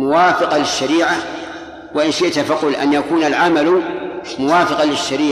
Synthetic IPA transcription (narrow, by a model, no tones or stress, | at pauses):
mʊwaːfɪqɑlɪʃːaɾiːʕa | waʔɪnʃɪʔt̪afaqʊlʔa̰njakuːnalʕamalumʊwaːfɪqɑlɪʃːaɾiː